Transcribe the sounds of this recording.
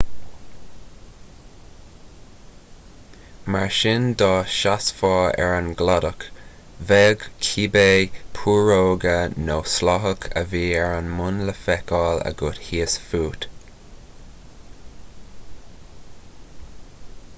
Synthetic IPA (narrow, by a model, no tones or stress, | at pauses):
maɹʃɪnd̪ɑːʃasfɑːɛ̰ɹənɡladək | vɛɡkʰiːbeːpʰuːɹoːɡənoslɑɦəkʰə̰viːɛɹənmʊnləfɛkɑːlə̰ɡʊthiːəsfuːt̪